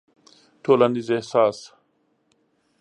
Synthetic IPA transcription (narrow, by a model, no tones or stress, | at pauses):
ʈʰoːlanizehsaːs